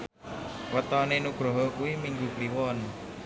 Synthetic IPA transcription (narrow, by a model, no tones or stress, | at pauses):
wət̪ɔnenuɡ̥ɾɔɦɔkuwimiŋɡukliwɔn